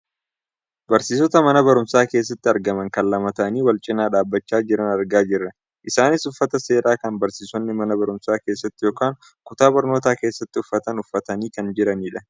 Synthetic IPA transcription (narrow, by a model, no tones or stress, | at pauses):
bɐɾsiːsɔt̪ɐmɐnɐbɐɾʊmsaːke̞ːs̬ːɐt̪ːɪɐɾɡɐmɐŋkɐllːɐmɐt̪ɐʔɐniːwɐlt͡ʃʼɪnaːᶑaːbːɐt͡ʃːaːd͡ʒɪɾɐnɐɾɡaːd͡ʒɪrːɐ | ʔɪsaːnɪsʊfːɐt̪ɐse̞ːɾaːkɐnbɐɾsiːsɔnːɪmɐnɐbɐɾʊmsaːke̞ːsːɐt̪ːɪjo̞ːkaːŋ | kʊt̪aːbɐɾno̞ːt̪aːke̞ːsːɐt̪ːɪʊfːɐt̪ɐnʊfːɐt̪ɐniːkɐnd͡ʒɪɾɐniːᶑɐ